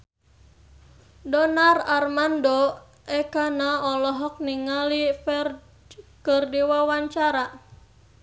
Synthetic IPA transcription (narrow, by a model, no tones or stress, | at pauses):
dɔnararmandɔ | ʔɛkanaɔlɔɦɔk̚niŋalifɛr | kərdiwawaɲt͡ʃaɾa